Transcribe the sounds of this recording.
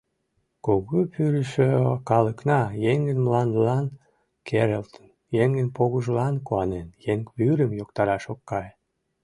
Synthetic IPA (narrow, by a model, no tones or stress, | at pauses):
koɣupyɾəʃøkɑləknɑjeŋɡənmlɑnd̪əlɑn | kʰeɾelt̪on | jeŋɡənpoɣəʒlɑnkuɑnenjeŋkβyɾəmjokt̪ɑɾɑʃokːɑj